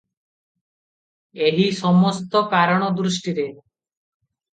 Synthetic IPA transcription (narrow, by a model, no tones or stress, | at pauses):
eɦisɔmɔst̪ɔkaɾɔɽ̃ɔd̪ɾusʈiɾe